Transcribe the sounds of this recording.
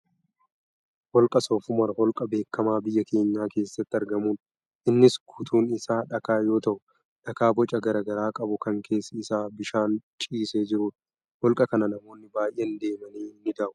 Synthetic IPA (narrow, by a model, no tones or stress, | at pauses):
hɔlkʼɐsɔːfʊmɐɾhɔlkʼɐbe̞ːkːɐmaːbɪjːɐke̞ːɲːaːke̞ːsːɐt̪ːɪɐɾɡɐmuːn | ʔɪnːɪskʰʊt̪ʰuːnɪsaːᶑɐkaːjo̞ːt̪ɐʔʊ | ᶑɐkaːbɔt͡ʃʼɐɡɐɾaːɡɐɾaːkʼɐbʊkɐŋkʰe̞ːsːɐɪsaːbɪʃaːnt͡ʃʼiːsed͡ʒɪɾuːd̪ | hɔlkʼɐkɐnɐnɐmo̞ːnːɪbaːjʔeːnd̪e̞ːmɐniːnːɪd̪ɐːʔʊ